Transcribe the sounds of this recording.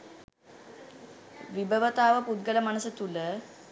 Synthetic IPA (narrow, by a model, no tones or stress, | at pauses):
ʋibəʋət̪aːʋəpud̪̚ɡələmanəsət̪ulə